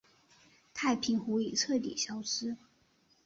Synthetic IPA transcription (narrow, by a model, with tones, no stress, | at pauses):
t̪ʰa˥˩ɪpʰi˧˥ŋxu˧˥i˨˩ʈ͡ʂʰɤ˥˩t̪ḭ˨˩ɕjɑ˥ʊʂɻ̩˥